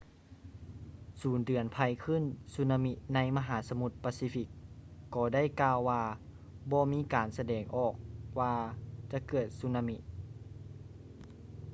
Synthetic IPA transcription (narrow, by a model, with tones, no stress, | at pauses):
suː˨˩˦ndɯ˨˩ənpʰa˧jkʰɯ˧˥˨nsu˧˥na˧mi˧˥ʔna˧˥jma˧ɦaː˩˦sa˧mu˧˥t̪̚paː˧siː˧fi˧˥kːɔː˧da˥˨jkaː˧wːaː˧ | bɔː˧miː˧˥˨kaː˨˩nsa˧dɛː˨˩ŋʔɔː˨˩k̚waː˧t͡ɕa˧˦kɤː˧˩t̪̚su˧˥na˧mi˧˥ʔ̪